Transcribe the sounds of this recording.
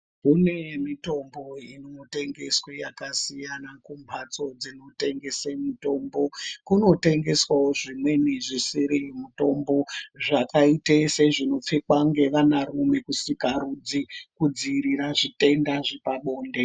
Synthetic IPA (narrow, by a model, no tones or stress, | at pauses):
kune̞mito̞mbo̞inote̞ŋɡe̞sweja̰kasijanakumpʰat͡so̞d͡zino̞te̞ŋɡe̞semito̞mbo̞kuno̞te̞ŋɡe̞swawoʐimwe̞niʐisiɾimuto̞mbo̞ʐakaiteseʐino̞p͡fekwaŋɡe̞ʋanaɾume̞kusikaɾud͡zikud͡ziɾiɾaʐite̞ndaʐipaɓo̞ːnde̞